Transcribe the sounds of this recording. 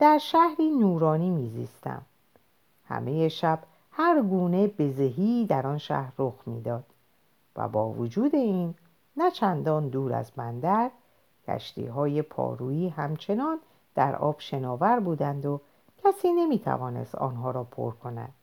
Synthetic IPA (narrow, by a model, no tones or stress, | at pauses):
d̪̥æɾʃæhɾiːnuːɾɒːniːmiːzḭːst̪æ̰m | hæ̰me̞je̞ʃæb̥ | hæɾɡuːne̞be̞zeɦiːd̪æɾɒːnʃæ̰hɾːoxmḭːd̪ɒːd̪̥ | væ̰bɒːvod͡ʒuːd̪e̞iːnː | æt͡ʃʰænd̪ɒːnd̪uːɾæ̰zbænd̪æɾ | cʰæ̰ʃt̪ʰḭːɦɒːje̞pʰɒ̰ːɾuːiːɦæmt͡ʃʰe̞nɒːn | d̪̥æɾɒ̰ːb̥ʃe̞nɒːvæɾbuːd̪ænd̪o | cʰæsiːne̞miːt̪ʰæ̰vɒːne̞̰st̪ɒ̰ːnɦɒːɾɒːpʰo̰ɾkʰo̞næ̰d̪̥